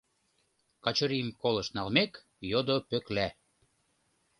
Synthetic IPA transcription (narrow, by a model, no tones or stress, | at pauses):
kɑt͡ɕəɾimkolə̆ʃnɑlmek | jod̪opøklæ